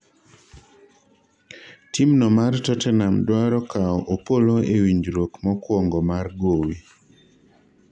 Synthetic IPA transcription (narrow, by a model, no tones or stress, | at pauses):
timnɔmartɔtɛnamdwaɾɔkaɔʔopoloewiɲd͡ʒɾokmɔkwɔŋɡɔmarɡowi